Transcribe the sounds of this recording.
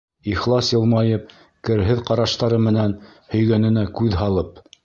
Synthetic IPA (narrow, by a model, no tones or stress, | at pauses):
iχlˠɑsjɤ̆lˠmɑjɤp̚ | kɘ̆ɾɦɘðqɑɾɑʃt̪ɑɾɤmɘ̆nænhɵ̆jɡænɘ̆nækʉðɦɑlˠɤp